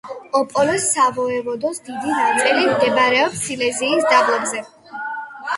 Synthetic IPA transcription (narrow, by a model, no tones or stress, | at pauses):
ɔpʼɔlɛsːavɔɛvɔd̪ɔsd̪id̪inat̪sʼilimd̪ɛbaɾɛɔpsilɛziːsd̪ablɛbzɛ